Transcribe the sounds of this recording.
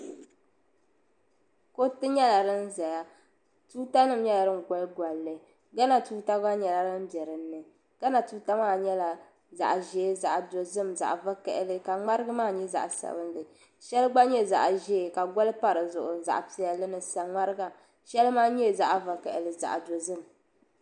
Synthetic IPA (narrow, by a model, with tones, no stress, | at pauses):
ko˦tɨ˦ɲɛ˦la˨ɾɨ˦n˦za˨ja˦ | tuː˦ta˦nɨ˦˨m˦ɲɛ˦la˨ɾɨ˦ŋ˨ɡɔ˦lɡʷa˨lːɨ˨ | ɡa˦na˨tuː˦ta˦ɡa˦ɲɛ˨la˨ɾɨ˦mbjɛ˨ɾɨ˨nːɨ˨ | ɡ̥a˦na˨tuː˦ta˦maː˦˨ɲɛ˦la˨ | za̰˨ʔʒɛː˦za˨ʔdo˨zɨ˦˨mza̰˨ʔva˦kɛ̰˨ʔɪ˦lɨ˦ka˨ŋ͡ma˦ɾɨ˦ɡɨ˦maː˦ɲɛ˦za̰˨ʔsa̰˨bɨ˦n˦lɨ˨ | ʃɛ˦lɡ͡ba˦ɲɛ˦za̰˨ʔʒɛː˦˨ka˨ɡɔ˦lɨ˦pa˦ɾɨ˨zʊ˨ʔʊ˨za̰˨ʔpi˨˦ɛ˦lɨ˦nɨ˨sa˨ŋ͡ma˦ɾɨ˦ɡa˨ | ʃɛ˦lmaː˦ɲɛ˦˨za˦ʔva˨kɛ˨ʔɪ˨lɨ˨za̰˨ʔdo˨zɨ˦˨m